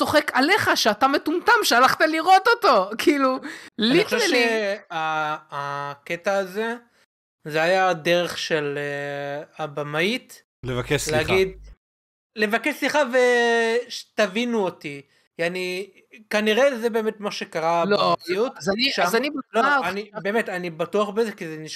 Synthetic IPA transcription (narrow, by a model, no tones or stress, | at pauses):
so̞χekale̞χaʃeat̪ame̞t̪umt̪amʃealaχt̪aliʁo̞t̪ot̪o̞kiːlulnixoʃeeleaː | ket̪aːze | zeajad̪eʁe̞χʃeleabamait̪ | levakeʃsleihaɡid̪̚ | le̞vakeʃsliχave̞ʃtavinuot̪i | iani | kaniʁe̞zebe̞ːmetmaʃe̞kaʁalomijutzaniʃamanibloanibe̞ːmetanibatuaχbezekizeniʃ